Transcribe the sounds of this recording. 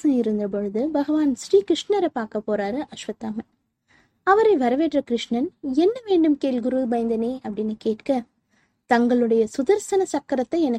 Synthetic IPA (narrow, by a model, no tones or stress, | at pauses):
ɐɪɾɯnd̪ɾɐp̬ɔɻɯðɯbɐɣɐʋaːnsɾiːkɾɪʂɳɐɾɐpːaːɾkɐpːoːɾaːɾɯʔɐʃʋɐt̪ːaːmɐ | ɐʋɐɾɐɪʋɐɾɐʋeːʈrɐkɪɾɪʂɳɐnɛnːɐʋeːɳɖɯmkeːɭɡʊɾubɐjɐnd̪ɐneːʔɐpːɐɽɪnɯkeːʈkɐ | t̪ɐŋɡɐɭɯɽɐjɐsʊðɐɾsɐnɐsɐkːɐɾɐt̪ːɐɪɛnɐ